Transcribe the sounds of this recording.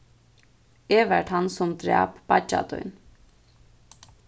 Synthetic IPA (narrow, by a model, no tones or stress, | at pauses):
ɛːʋɛɹʈ̪hansʊmd̪ɾæ̰ːpb̥ad͡ʒa̰t̪ɔ̰jn